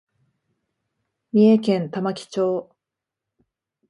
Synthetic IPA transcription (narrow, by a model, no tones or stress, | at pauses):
mʲiekẽ̞nt̪amakʲi̥t͡ɕo̞ː